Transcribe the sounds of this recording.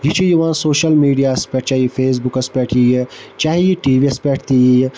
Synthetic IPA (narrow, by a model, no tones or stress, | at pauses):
jit͡ʃʰijuʋãːnsoːʃəlmiːɖijaːspɛːʈ̚ʰt͡ʃaːɦiifeːs̬bukɐspɛːʈʰijt͡ʃaːɦijiʈiːʋiɐspɛːʈʰt̪iji